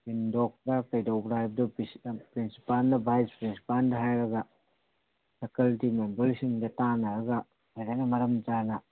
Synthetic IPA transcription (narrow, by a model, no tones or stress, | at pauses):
indok̚dɐkɐjdɐwbɾajb̚dɐpɾinsi̥palnɐbajspɾinsi̥pandɐɦajɾɐɡɐ | sʰekɐltimembelsiŋdɐtanɐɾɐɡɐ | hajdaknɐmɐɾɐmd͡ʒanɐ